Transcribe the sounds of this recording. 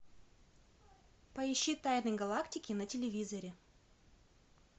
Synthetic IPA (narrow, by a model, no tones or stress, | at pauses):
pɐɪɕːit̪ajnəjɡɐlˠaktʲɪkʲɪnətʲɪlʲɪvʲizɐɾʲɪ